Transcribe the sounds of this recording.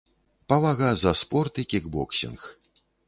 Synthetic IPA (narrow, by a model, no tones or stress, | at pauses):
pavaɣazɐspɔrt̪ɨkʲiɡbɔksʲḭnx